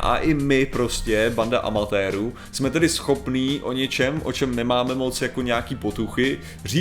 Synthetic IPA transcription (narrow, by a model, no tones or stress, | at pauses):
ʔa̰ʔɪmɪpɾo̞scɛbanda̰ʔa̰mat̪ɛːɾu | smɛt̪ɛdɪsxo̞pniːʔo̞̰ɲɛt͡ʃɛmʔo̞̰t͡ʃɛmnɛmaːmɛmo̞t͡sjako̞ɲɛakiːpo̞t̪uxɪ | r̝iː